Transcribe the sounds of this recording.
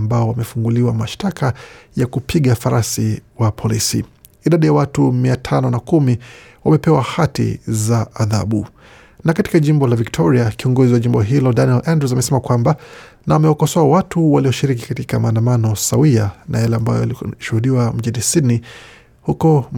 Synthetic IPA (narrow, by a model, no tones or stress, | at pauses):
mbaɔwamɛfuŋɡuliwamaʃtakʰajakupʰiɠafaɾasiwapʰɔlisḭː | ɗaɗijawatumiatʰanɔnakumi | wamɛpɛwahatḭzaːða̰ɓu | nakati̥kaʄimbɔlaviktʰɔɾiakiɔŋɡɔziwaʄimbɔɦilɔdaniɛlʔandɛs̬amɛsɛmakwamba | naamɛwakɔsɔaawatuwaliɔʃiɾik̬i̥katikamaːndamanɔsawiana̰jalɛambajɔ̰aliʃuhuɗiwam̩ʄinisidni | hukɔ